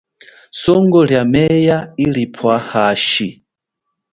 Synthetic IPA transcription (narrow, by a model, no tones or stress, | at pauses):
sɔŋɡɔljamɛjailipʰɔahaːʃi